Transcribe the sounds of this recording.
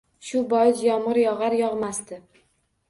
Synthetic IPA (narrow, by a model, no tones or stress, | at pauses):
ʃʊbɒjɪsjɒmʁɨɾjɒʁɑɾjɒʁmast̪ɪ